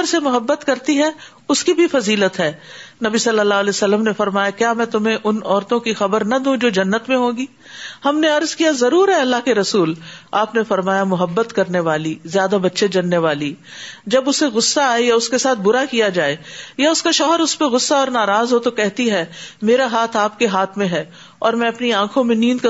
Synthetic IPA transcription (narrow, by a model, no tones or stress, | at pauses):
ɾsemʊɦəbːət̪kɐɾt̪iɦɛ | ʊskibʱifɐziːlət̪ɦɛːnɐbisɐlːəlːaːlɛsɐlːəmnefɐɾmaːjakjaːmɛ̃ːt̪ʊmẽʔʊnɔːɾt̪õkixɐbəɾnɐd̪ũːd͡ʒoːd͡ʒɐnːət̪mẽɦõːɡiː | hɐmneɐɾzkijazɐɾuːɾɦɛɐlːaɦkeɾɐsuːlaːpnefɐɾmaːjamʊɦəbːət̪kɐɾneʋaːlizjaːd̪abɐtːʃʰed͡ʒɐnːeʋaːli | d͡ʒɐbʊseɣʊsːaaːejaʊskesaːt̪ʰbʊɾakijad͡ʒaːejaʊskaʃɔːɦəɾʊspeɣʊsːaɔːɾnaːɾaːzɦot̪okɛɦt̪iɦɛːmeːɾaɦaːt̪ʰaːp̚keɦaːt̪ʰmẽɦɛː | ɔːɾmɛ̃ɐpniãːkʰõmẽnĩːnd̪k